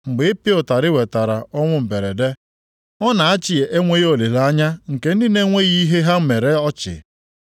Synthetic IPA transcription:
ŋ͡m̩˨ɡ͡be˨e˦pi˦ʊ˨ta˨ɾɪ˦we˨ta˨ɾa˨ɔ˦ŋʷʊ˦m̩˨be˨ɾe˨de˦ | ɔ˦na˨a˦t͡ʃɪ˨je˨ʔe˦ŋʷe˦jo˨le˨la˦ɲa˦ŋ̩˨ke˨n̩˦dɪ˦ne˦ŋʷe˦ɣi˦ɦe˦ɦa˦m̩˦me˨ɾe˦ɔ˦t͡ʃɪ̰˨

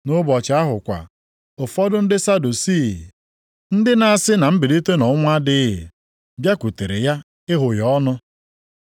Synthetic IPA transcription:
nʊ˦bɔ˨t͡ʃa˦ɦʊ˨kʷa̰˨ | o˨fɔ˦dʊ˦n̩˦dɪ˦sa˦du˨si˦˨ | n̩˦dɪ˦na˨a˨sɪ˦na˨m̩˦bɪ˨di˦te˦nɔ˨ʊ˦ŋʷa˦dɪ˦ɦɪ̰˨ | bja˦kʷu˨te˨ɾḛ˨ja˦ | ɪ˦ɦʊ˨jɔ˦nʊ˦

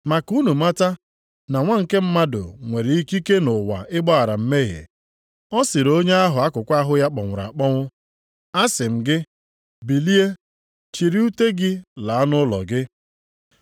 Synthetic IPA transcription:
ma˨ku˦nu˨ma˦ta˦ | na˨ŋʷa˦ŋ̩˨ke˦m̩˦ma˦dʊ̰˨ŋʷe˨ɾɪ˨i˦ki˦ke˦nʊ˨wa̰˨ʔɪ˦ɡ͡bɔ˦a˨ɾa˨m̩˦me˦ɦḛ˨ | ɔ˦sɪ˨ɾo˦ɲe˦a˦ɦʊ˨a˦kʊ˨kʷa˦ɦʊ˦ja˦k͡pɔ˨ŋʷʊ˨ɾa̰˨k͡pɔ˦ŋʷʊ˦ | a˦sɪ˨m̩˨ɡɪ˦ | bi˨li˦e˦ | t͡ʃi˨ɾi˦u˦te˦ɡɪ˦la˨a˦nʊ˦lɔ̰˨ɡɪ˦

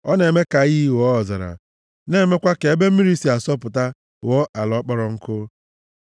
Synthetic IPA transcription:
ɔ˦ne˨me˦ka˨ɣi˦˨wɔ˦ɔ˨za̰˨ɾa̰˨ | ne˦˨me˦kʷa˦ke˨e˦be˦m̩˦i˦ɾi˦si˨a˨sɔ˦pʊ˨ta˦ | wɔ˦ʔa˨lɔ˦k͡pɔ˦ɾɔ˨ŋ̩˦kʊ˦

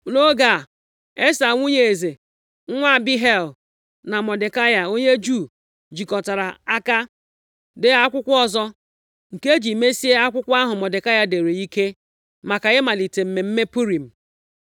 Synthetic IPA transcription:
no˦ɡa˨ | e˦sa˨ŋʷu˦ɲe˨e˨ze˨ | ŋ̩˦ŋʷa˦˨bi˦ɦe˦˨l | na˨mɔ˨dɪ˨ka˦ja˨o˦ɲe˦d͡ʒu˦˨ | d͡ʒi˨kɔ˨ta˨ɾa˨a˦ka˦ | dɪ˨a˦kʷʊ˦kʷɔ˦zɔ˦ | ŋ̩˨ke˦d͡ʒi˨me˦si˦e˦a˦kʷʊ˦kʷa˦ɦʊ˨mɔ˨dɪ˨ka˦ja˦de˨ɾe˨i˦ke˦ | ma˨ka˨ɣɪ˦ma˨li˨te˨m̩˨me˨m̩˦me˦pu˦ɾi˨m̩˨

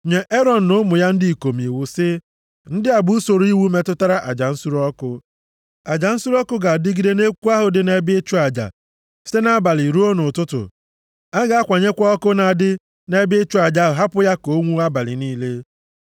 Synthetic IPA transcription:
ɲe˨ʔe˦ɾɔ˨n̩˨nʊ˦mʊ˨ja˦n̩˦dɪ˦i˨ko˨m˨i˨wu˨sɪ˦ | n̩˦dɪ˦a˨bu˦so˨ɾi˦wu˦me˨tʊ˦ta˦ɾa˦ʔa˨d͡ʒa˨n̩˦su˦ɾɔ˦kʊ˦ | a˨d͡ʒa˨n̩˦su˦ɾɔ˦kʊ˦ɡa˨dɪ˦ɡi˦de˦ne˦kʷu˦a˦ɦʊ˨dɪ˦ne˦bɪ˦e˦t͡ʃu˦a˨d͡ʒa̰˨ | se˦na˦ba˨lɪ˨ɾu˦o˦nʊ˨tʊ˦tʊ̰˨ | a˦ɡa˨˦a˦kʷa˨ɲe˦kʷɔ˦ɔ˦kʊ˦na˨dɪ˦ | ne˦bɪ˦e˦t͡ʃu˦a˨d͡ʒa˦ʊ˨ɦa˦pʊ˦ja˦ko˦ŋʷu˦a˦ba˨lɪ̰˨niː˦le˦

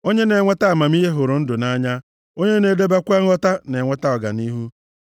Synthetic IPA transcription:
o˦ɲe˦ne˨ŋʷe˦ta˦a˨ma˨mi˦ɦe˦ɦʊ˨ɾʊ˨˦n̩˦dʊ˨na˦ɲa˦ | o˦ɲe˦ne˨de˦be˦kʷe˦ŋ̩˦ɔ˦ta˦ne˨ŋʷe˦ta˦ɔ˨ɡa̰˨ni˦ɦu˦

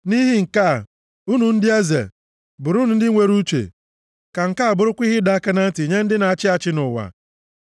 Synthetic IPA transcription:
ni˦ɦi˦ŋ̩˨ka˦˨ | u˦nu˨n̩˦dɪ˦a˦zḛ˨ | bʊ˨ɾu˦nu˨n̩˦dɪ˦ŋʷe˦ɾu˦t͡ʃḛ˨ | ka˨ŋ̩˨ka˦a˨bʊ˨ɾʊ˦kʷi˦ɦɪ˦da˦a˦ka˦na˦n̩˦ti˨ɲe˦n̩˦dɪ˦na˨a˨t͡ʃɪ˦a˨t͡ʃɪ˦nʊ˨wa̰˨

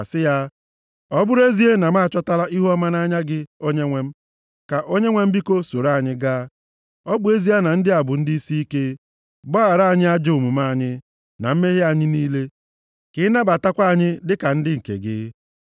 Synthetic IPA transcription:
a˨sɪ˦ja˦ | ɔ˦bʊ˦ɾe˦zi˦e˦na˨m˦a˦˨t͡ʃɔ˦ta˦la˦ʔi˦ɦu˦ɔ˦ma˦na˦ɲa˦ɡɪ˦o˦ɲe˦ŋʷe˦m̩˦ | ka˨ʔo˦ɲe˦ŋʷe˦m̩˦bi˦ko˦so˨ɾa˦˨ɲɪ˦ɡaː˦ | ɔ˦bʊ˦e˦zi˦e˦na˨n̩˦dɪ˦a˨bʊ˨n̩˦dɪ˦i˦si˦i˦ke˦ | bɔ˦a˨ɾa˦a˨ɲɪ˦a˦d͡ʒe˦ʊ˨mu˨ma˦˨ɲɪ˦ | na˨m̩˦me˦ɦe˦a˨ɲɪ˦niː˦le˦ | kɪ˨˦na˦ba˨ta˦kʷa˦a˨ɲɪ˦dɪ˦ka˨n̩˦dɪ˦ŋ̩˨kḛ˨ɡɪ̰˦

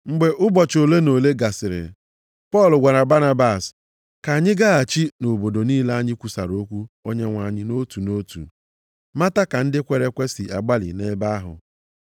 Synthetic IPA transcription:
ŋ͡m̩˨ɡ͡be˨ʔʊ˦bɔ˨t͡ʃo˨le˦no˨le˦ɡa˨sɪ˨ɾɪ̰˨ | pɔ˦˨lʊ˨ɡʷa˨ɾa˨ba˦na˦ba˦˨s | ka˨a˨ɲɪ˦ɡa˦a˨t͡ʃi˦no˨bo˨do˨niː˦la˦a˦ɲɪ˦kʷu˨sa̰˨ɾo˦kʷu˦o˦ɲe˦ŋʷa˨ɲɪ˦no˦tu˨no˦tṵ˨ | ma˦ta˦ka˨n̩˦dɪ˦kʷe˨ɾe˦kʷe˦sɪ˨a̰˨ɡ͡ba˦lɪ̰˨ne˦ba˦a˦ɦʊ̰˨

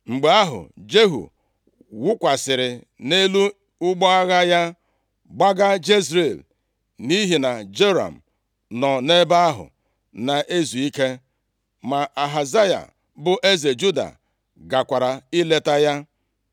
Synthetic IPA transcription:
ŋ͡m̩˨ɡ͡be˨a˦ɦʊ̰˨d͡ʒe˦ɦṵ˨ | wʊ˦kʷa˨sɪ˨ɾɪ˨ | ne˦lu˦ | ʊ˦ɡ͡bɔ˦a˦ɣa˦ja˦ | ɡ͡ba˦ɡa˦d͡ʒe˦zɾe˨l | ni˦ɦi˨na˨d͡ʒe˦ɾa̰˨m̩˨ | nɔ˨ne˦ba˦a˦ɦʊ̰˨ | na˨ʔe˦zu˨i˦ke˦ | ma˨ʔa˨ɦa˨za˦ja̰˨ | bʊ˨ʔe˦ze˨d͡ʒu˦da̰˨ | ɡa˨kʷa˨ɾa˨i˦le˨ta˦ja˦

